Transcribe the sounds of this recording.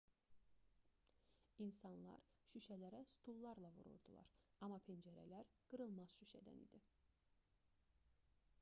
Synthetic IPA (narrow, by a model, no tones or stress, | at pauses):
insɑnlˠɑ̰ɾʃyʃælæɾæst̪ʰulˠːɑɾlˠɑvṵɾṵɾd̪ulˠɑ̰ɾɑmɑpʰend͡ʒæɾæ̰læɾɡ̥ɯɾɯlˠmɑzʃyʃæ̰d̪æ̰nḭd̪i